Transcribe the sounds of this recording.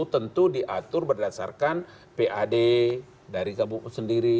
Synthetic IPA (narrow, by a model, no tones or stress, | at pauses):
t̪ənt̪udiʔat̪ʊrbərdasa̰rkan | peʔade | daɾikabuŋsəndiɾi